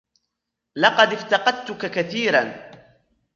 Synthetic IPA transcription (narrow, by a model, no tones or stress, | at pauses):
lɑqɑd̪ɪft̪ɑqɑd̪̚t̪ʊkakaθiːɾan